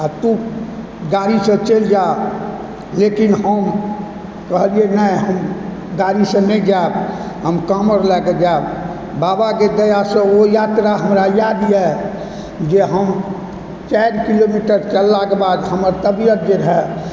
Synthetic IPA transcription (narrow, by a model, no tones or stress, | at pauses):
at̪u | ɡaɾisẽt͡ʃeld͡ʒa | lekinɦəm | kəɦəlienəɦəm | ɡaɾisẽnẽd͡ʒab | ɦəmkaməɾlɛɡed͡ʒab | babaked̪əjasẽojat̪ɾaɦəmɾajad̪jɛ | d͡ʒeɦəm | t͡ʃaɾkilomiʈəɾt͡ʃəəlːakebad̪ɦəməɾt̪əbijət̪̚d͡ʒeɾɦɛ